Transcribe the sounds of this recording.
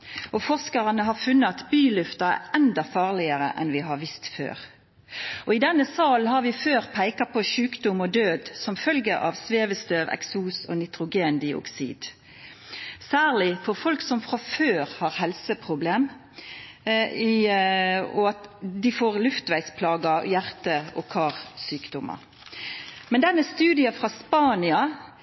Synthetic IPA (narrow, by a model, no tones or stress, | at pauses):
ʔɔfɔʁskɑʁənəɦɑfʉnːəɑt̪byːlʉft̪ɑæʔɛnd̪ɑfɑːʁlɪəʁə̰ʔɛ̰nʋɪɦɑʁʋɪst̪fø̰ːʁ | ʔɔɪd̪ɛnːəsɑːlnɦɑʁʋɪføːʁpʰæɪkɑpɔʃʉːkd̪ʊmɔd̪øːd̪sɔmfœlɡəʔɑ̰ʋsʋeːʋəst̪øːʋɛ̰ksuːsɔ̰nɪt̪ʁʊɡeːnd̪ɪʊ̰ksḭːd̪̥ | sæːʁlɪfɔʁfɔlksɔmfʁɑføːʁhɑʁhɛlsəpʰʁʊbleːm | ɔɑt̪d̪ɪfoːʁlʉft̪ʋæɪspʰlɑːɡəjæʁt̪əɔkʰɑːʁsyːkd̪ɔmɑ̰ | mɛnd̪ɛnːəst̪ʉːd̪ɪɑfʁɑspɑːnɪɑ